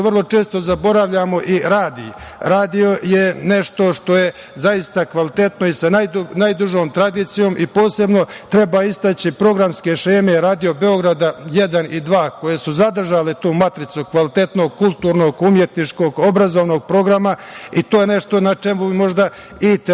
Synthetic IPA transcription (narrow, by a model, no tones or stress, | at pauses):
ʋrlˠo̞t͡ʃe̞ːst̪o̞zabo̞ɾaʋʎamo̞ʔiɾaːd̪ḭɾaːd̪io̞jene̞ʃt̪o̞ʃt̪o̞je̞ | zajist̪akʋalit̪e̞t̪no̞isanajnajd̪uʒo̞ːmt̪ɾad̪iːt̪sijo̞ːmʔipo̞ːse̞bno̞t̪ɾe̞baːist̪at͡ɕipɾo̞ɡɾamskeʃeːme̞ɾaːd̪io̞be̞o̞ɡɾad̪aje̞d̪anid̪ʋaːko̞je̞suzad̪r̩ʒaːlet̪uːmat̪ɾit̪sukʋalit̪e̞t̪no̞ɡ̚kulˠt̪uːɾno̞ɡumjet̪nit͡ʂko̞ːɡo̞bɾazoʋno̞ːɡ̚pɾo̞ɡɾamait̪oːjene̞ʃt̪o̞nat͡ʂe̞mumo̞ʒd̪a | it̪